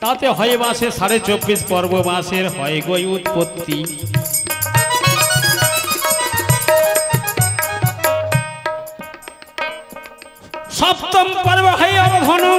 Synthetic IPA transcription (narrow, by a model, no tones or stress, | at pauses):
t̪at̪eɦɔjbãsesaɾet͡sobːispɔɾbobãseɾɦɔjɡojut̪pot̪ːi | sɔpt̪ɔmpaɾibaɦajabɔd̪ʱɔno